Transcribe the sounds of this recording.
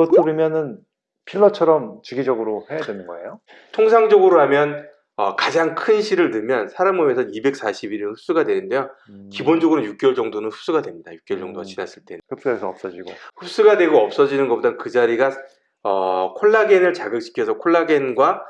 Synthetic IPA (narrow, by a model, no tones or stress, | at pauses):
ʌt͈ɾimjʌnɯn | pʰiɭːʌt͡ɕʰʌɾʌmt͡ɕiɡid͡ʑʌɡɯɾohejadwenɯnɡʌḛjo | tʰoŋsʰaŋd͡ʑʌɡɯɾoɦamjʌn | ʌ̰kad͡ʑaŋkʰɯnɕʰiɾɯɭnɯɭmjʌnsʰaɾamɯmesʰʌnibe̞k̚s͈aɕʰibiɾinɸʰu̥s͈uɡadwe̞nɯnde̞jo | kibond͡ʑʌɡɯɾoɲjuk̚k͈jʌɭd͡ʑʌŋdonɯnɸu̥s͈uɡadwe̞mɲidajuk͈̚jʌɭt͡ɕʌŋdoɡat͡ɕinas͈ɯɭt͈e̞nkɯp̚s͈ʌesʰʌʌp̚s͈ʌd͡ʑiɡoɸus͈uɡadwe̞ɡoʌp̚s͈ʌd͡ʑinɯnɡʌpodakɯd͡ʑaɾiɡa | ʌ̰kʰoɭːaɡenɯɭt͡ɕaɡɯk̚ɕ͈ʰi̥kʰjʌsʰʌkʰoɭːaɡenɡwa